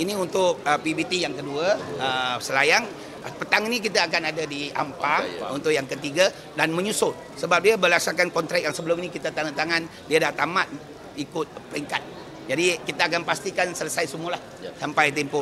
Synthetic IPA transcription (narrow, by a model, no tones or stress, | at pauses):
iniunt̪ʊk̚əpibit̪ijaŋkəduaəsəlajaŋ | pət̪aŋinik̬it̪aːk̬anadadia̰mpaṵnt̪ʊʔjaŋkət̪iɡa | danməɲusʊl | səbap̚diabəlasakankɔnt̪ɾak̚jaŋsəbəlʊminikit̪at̪aŋat̪aŋan | diadat̪amat̪̚ | ikʊt̪̚pəɾiŋkat̪̚ | d͡ʒadikit̪aːk̬anpast̪ikansələsajsumulah | sampajt̪̬ɛmpʊ